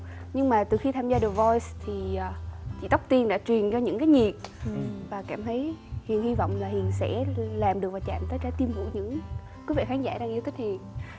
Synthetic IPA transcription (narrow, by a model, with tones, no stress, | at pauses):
ɲɨ˧ŋmaː˨˩t̪ɨ˨˩xi˧t̪ʰaː˧mzaː˧ɗɨ˨˩əvɔ˧jst̪ʰi˨˩ʔːt͡ɕḭ˧˥t̪ɔ˦˥k͡p̚t̪i˧ənɗa̰ː˧˥t͡ɕwi˨˩ənt͡ɕɔ˧ɲɨ̰˧˥ŋkaː˨˦jɲi˨˩ət̚vaː˨˩kaː˧˩mt̪ʰə˨˦jhḭ˨˩ənhi˧vɔ̰˧˨wŋ͡mlaː˨˩hi˨˩ənsɛ̰˧˥laː˨˩mɗɨ˨˩ək̚vaː˨˩t͡ɕa̰ː˧˨mt̪əː˨˦t͡ɕaː˨˦t̪i˧əmvṵ˧˩ɲɨ̰˧˥ŋ | kwi˨˦vḭ˧˨xaː˨˦ŋza̰ː˧˩ɗaː˧ŋʔi˧wt̪ʰi˦˥k̟̚hḭ˨˩ən